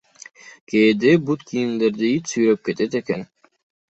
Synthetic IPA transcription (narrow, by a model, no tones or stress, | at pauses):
keːd̪ebut̪kʰijind̪eɾd̪iit͡ʃsyjɾøp̚ket̪et̪eken